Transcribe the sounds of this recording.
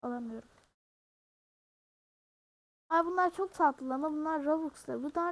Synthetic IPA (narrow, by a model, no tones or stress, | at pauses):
alˠamɯjo̞ɾum | abunlˠaɾt͡ʃʰok̚sʰat̪lˠɯlˠamɯbunlˠaɾɾovukslˠabud̪a